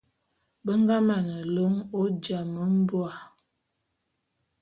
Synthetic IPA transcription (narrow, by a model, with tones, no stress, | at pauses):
bə˦ŋ˦ɡa˦ma˨nə˨lo˦ŋo˦d͡ʒa˨mə˦m˦bwa˨